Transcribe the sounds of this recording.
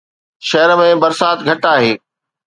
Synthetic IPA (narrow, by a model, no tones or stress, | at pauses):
ʃɐɦəɾəmẽbɐɾsaːt̪ɡʱɐʈaːɦeː